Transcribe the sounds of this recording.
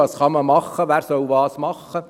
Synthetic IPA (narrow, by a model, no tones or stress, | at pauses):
ɑːsχɑməmɑχːəʋæːɾsœlʋɑːsmɑχːə